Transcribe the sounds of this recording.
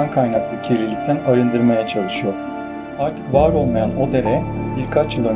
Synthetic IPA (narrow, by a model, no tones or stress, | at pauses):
ankʰajnaklˠɯcʰelʲilʲic̚ʲt̪ʰænaɾɯnd̪ɯɾmajɛt͡ʃʰalˠɯʃɯjo̞ɾ̥ | aɾt̪ʰɯ̥kvaːɾo̞lˠmajano̞d̪e̞ɾɛbiɾkʰat͡ʃɯd̪ˠøn